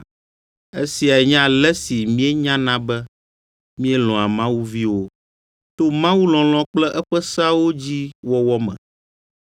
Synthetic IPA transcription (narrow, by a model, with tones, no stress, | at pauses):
e˦si˨a˨ɛ˨ɲã˦lɛ˦si˨mĩ˦e˦ɲã˦nã˦bɛ˦ | mĩ˦e˦lɔ̃˨a˨mã˦wu˦vi˦wo˦ | t̪o˦mã˦wu˦lɔ̃˨l̃ɔ̃˦k͡plɛ˦ʔɛ˦ɸɛ˦sa˦wo˦d͡ʑi˦wɔ˦wɔ˦mɛ̰̃˨